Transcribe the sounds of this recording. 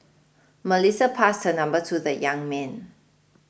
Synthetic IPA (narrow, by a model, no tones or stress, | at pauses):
məlisəpʰastənãmbətʰuðəjãŋmɛ̃n